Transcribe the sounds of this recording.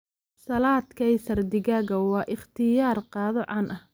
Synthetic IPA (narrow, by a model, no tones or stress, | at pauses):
sɐlaːd̪kʰɐjsɐrd̪ɪɣaːɣɐwɑːʔɪχt̪ʰɪjaːrqɑːðɔʕɑnʔɐh